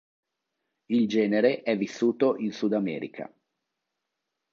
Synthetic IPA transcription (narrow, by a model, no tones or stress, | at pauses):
ild͡ʒɛːneɾeʔɛvːisːuːt̪oʔinsud̪amɛ̰ːɾḭkʰa̰